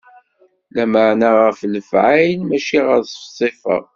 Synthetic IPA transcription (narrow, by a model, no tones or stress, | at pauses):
læməʕnaʁəfləfʕajnmæʃiʁəɾsfsˤːifə̰ʁˤ